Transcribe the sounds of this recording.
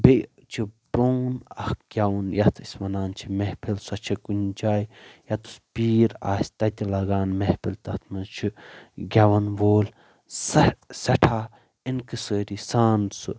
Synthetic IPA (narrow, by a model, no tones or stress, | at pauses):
be | t͡ʃʰibɾoːnɐhkɡʲawɐnjɐt̪ʰisʲʋɐnaːnt͡ʃʰimehpʰilsɐt͡ʃʰɐkund͡ʒaːjjɐt̪u̥spiːɾa̰ːsʲt̪ɐt̪ʲilɐɡaːnmehpʰilt̪ɐt̪ʰmɐzt͡ʃʰiɡʲɐʋɐnʋoːl | sɐsɐʈʰaː | inkɨsəːɾisaːnsɨ̰